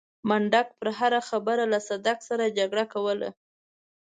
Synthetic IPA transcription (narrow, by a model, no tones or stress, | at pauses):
maɳɖak̚pəɾɦaɾaxabəɾalasad̪aksaɾad͡ʒaɡɽakawəla̰